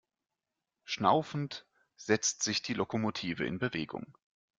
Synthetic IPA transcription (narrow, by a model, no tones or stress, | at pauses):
ʃna̰ʊfn̩t | z̥ɛt͡stz̥ɪçd̥iːlokomotʰiːvəɪ̰nbəveːɡʊ̰ŋ